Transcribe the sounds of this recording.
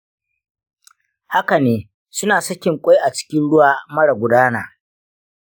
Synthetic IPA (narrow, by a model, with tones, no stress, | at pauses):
ha˦ka˨neː˨ | sʊ˦naː˨sɐ˦kʲɪ˨ŋkʷʼa˦jʔa˨t͡ʃɪ̥˦kʲɪ˦nɽʊ˦waː˨mɐ˦ɽa˨ɡʷʊ˨daː˦naː˨